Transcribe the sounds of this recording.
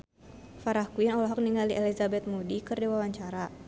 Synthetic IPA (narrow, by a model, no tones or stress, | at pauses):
faɾahkuanɔlɔɦɔk̚niŋaliʔɛlizabɛt̪̚mudikɨrdiwawaɲt͡ʃaɾa